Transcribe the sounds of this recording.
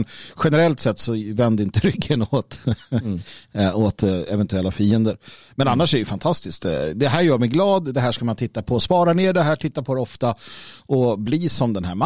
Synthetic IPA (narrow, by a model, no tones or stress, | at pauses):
nɧɛnɛɾɛlt̪sɛt̪ːsɔvɛnd̪ɪnt̪əɾʏkʰːənoːt̪ | ot̪ɛvɛnt̪ɵɛlːafiːənd̪əɾmɛnanːaʂɛɾɛjəfant̪ʰast̪ɪskt̪d̪ɛɦæːɾjœːɾmɛjɡlɑːd̪d̪ɛɦæːʂkamant̪ʰɪt̪ːapʰɔspɑːɾaneːɖɛɦæːʈʰɪt̪ːapʰɔd̪ɛɔft̪aɔbliːsɔmd̪ɛnɦæːɾm